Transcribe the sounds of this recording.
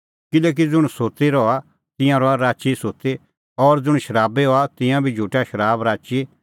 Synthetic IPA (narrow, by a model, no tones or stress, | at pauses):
kɪlɛːk̬id͡zʊɽ̃soːt̪iɾɔa | t̪ɪ̃jãɾɔaɾaːt͡ʃisoːt̪i | ɔːɾd͡zʊɽ̃ʃɐɾaːbeɦɔat̪ɪ̃jãbʱid͡ʒʱuːʈaʃɐɾaːbɾaːt͡ʃi